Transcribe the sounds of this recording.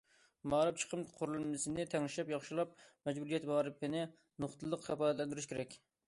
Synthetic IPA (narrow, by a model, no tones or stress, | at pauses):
mɑːɾɨp̚t͡ʃʰə̥qʰəmqʰoɾlˠmɪsɪnɪt̪ʰɛŋʃɛpjɑχʃilˠɑp̚mɛd͡ʒbuɾijɛt̪bɑɾɨp̚kʲɪnɪ | noχt̪ʰɨlˠːəqχɛpɑːlɛt̪lɛnd̪ɪɾɪʃkʲʰeɾɛkʲ